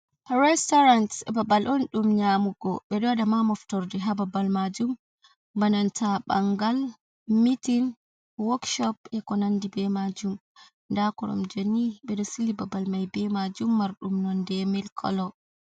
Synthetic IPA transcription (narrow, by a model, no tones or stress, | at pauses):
hɾɛstɔɾantɛbabalʔɔnɗumɲamuɡɔ̰ɓɛɗɔdamamɔftɔɾdɛɦababalmad͡ʒum | banɔntʰaba̰ŋɡal | mitin | wɔkʃɔpɛkɔnandibɛmad͡ʒum | ndakɔɾɔ̰md͡ʒonːiɓɛɗɔsilibabalmajbɛmad͡ʒumːaɾɗumnɔndɛmɛlkʰɔ̰lɔ